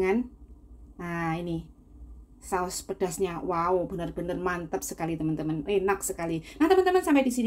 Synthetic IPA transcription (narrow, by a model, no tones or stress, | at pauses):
ŋan | aini | saʊspəd̥a̤sɲawaob̥ə̤nərb̥ə̤nərmant̪əp̚səkalit̪əmənt̪əmənenak̚səkalinaht̪əmənt̪əmənsampajdisin